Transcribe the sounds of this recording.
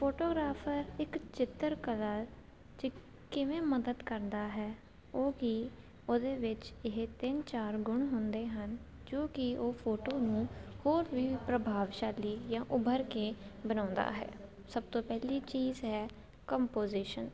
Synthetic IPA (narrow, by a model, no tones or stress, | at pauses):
pʰoːʈoːɡɾaːpʰəɾɪkt͡ʃɪt̪ːəɾkəlaː | d͡ʒe | kɪʋẽːməd̪əd̪kəɾd̪aːɦɛː | oːki | oːd̪eːʋɪt͡ʃɪɦt̪ɪnt͡ʃaːɾɡʊɳɦʊnd̪eːɦən | d͡ʒoːkɪoːpʰoːʈoːnũːhoːɾbiːpɾəbʱaːʋʃaːliːjãːʔʊbəɾkeːbənãːnd̪a̰ːɦɛ̰ː | səb̚t̪õːpɛːliːt͡ʃiːzɦɛː | kəmpoːziːʃən